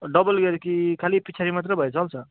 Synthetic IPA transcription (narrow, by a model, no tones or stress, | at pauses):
ɖʌbʌlɡeɾkikʰalipit͡sʰaɾimat̪ɾʌbʱʌjt͡sʰʌlt͡sʰʌ